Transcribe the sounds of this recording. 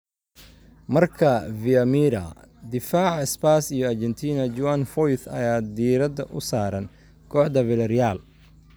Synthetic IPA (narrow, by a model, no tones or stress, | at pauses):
mɐrkʰɐviɐmiːɾɐ̰d̪ɪfaːʕɪspaːsijɔɐrd͡ʒɛnt̪ʰiːnɐd͡ʒʊwanfɔjθɐ̰jaːd̪iːɾɐd̪ɐ̰ʔʊsaːɾɐn | kʰɔːħd̪ɐvɪlɐɾjaːl